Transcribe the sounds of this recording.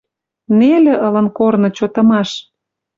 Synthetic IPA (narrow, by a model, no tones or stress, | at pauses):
nelĕʔɤlə̆nkornɤ̆t͡ɕot̪ɤ̆mɑʃ